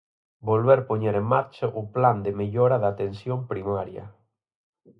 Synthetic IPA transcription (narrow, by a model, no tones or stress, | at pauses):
bolβeɾpoɲeɾeŋmaɾt͡ʃaʔʊpland̪emeʎoɾaðat̪ensjompɾimaɾja̰